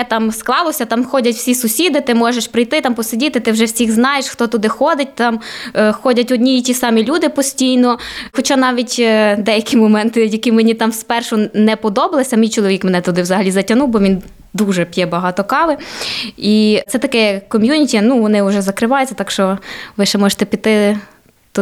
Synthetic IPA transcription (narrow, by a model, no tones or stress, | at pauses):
ɛt̪ɑmsklˠɑlˠɔsʲɐt̪ɑmxɔdʲɐtʲwsʲisʊsʲid̪ɪt̪ɪmɔʒeʃpɾɪjt̪ɪt̪ɑmpɔsɪdʲit̪ɪt̪ɪwʒɛwsʲiɣznɑjeʃxt̪ɔt̪ʊd̪ɪxɔd̪ɪt̚ʲt̪ɑmxɔdʲɐtʲɔdʲnʲijitʲisɑmʲilʲud̪ɪpɔsʲtʲijnɔxɔt͡ʃɑnɑʋʲitʲd̪ɛjɐkʲimɔmɛnt̪ɪjɐkimenʲit̪ɑmspɛrʃɔnɛpɔd̪ɔbɐlˠesʲɐmʲijt͡ʃɔlˠɔʋʲikmɛnɛt̪ɔd̪ɪwzɐɦɐlʲizɐtʲɐnuwbɔʋʲin | d̪uʒɛpʲjɛbɐɦɑt̪ɔkɑʋɪ | it̪sɛt̪ɐkɛjɐkɔmʲjunʲitʲiɐnuʋɔnɪʊʒɛzɐkɾɪʋɑjʊt͡sʲɐt̪ɑkʃt͡ʃɔʋɪʃɛmɔʒe̥t̪ɛpʲit̪ɪ | t̪